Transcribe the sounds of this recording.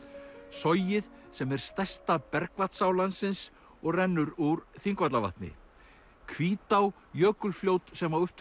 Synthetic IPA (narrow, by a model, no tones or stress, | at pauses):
sɔjɪðsɛmɛɾ̥st̪ɛst̪apɛɾkvat̪sawlansɪns | ɔɣrɛnːʏɾuɾθiŋkvat̪lava̰ht̪nɪ̰ | kʰviːt̪aw | jœːkʏlfljoːwt̪sɛmawʏht̪